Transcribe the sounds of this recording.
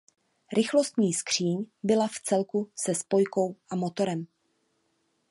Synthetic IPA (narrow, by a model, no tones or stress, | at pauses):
ɾʔɪxlo̞st̪ɲiːskr̥iːɲbɪlaft͡sɛlkusɛspo̞jko̞wʔamo̞t̪o̞ɾɛm